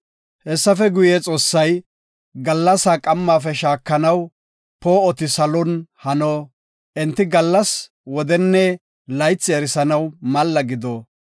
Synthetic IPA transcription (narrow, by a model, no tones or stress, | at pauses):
hɛsːɐfɛɡʊjeːt͡sʼo̞ːsːɐj | ɡɐlːɐsaːkʼɐmːaːfɛʃaːkːɐnɐw | poːɔt̪ɪsɐlɔnhɐnoː | ʔɪnt̪ːɪɡɐlːɐs | wɔd̪ɛnːɛ | lɐjt͡sːɪɛɾɪsɐnɐwmɐlːɐɡɪd̪oː